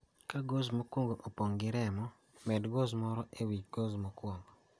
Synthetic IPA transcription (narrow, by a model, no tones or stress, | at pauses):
kaɡozmokwoŋɡoʔopoŋɡɪɾɛmɔ | mɛdɡozmɔɾɔʔewiɡozmokwɔŋɡɔ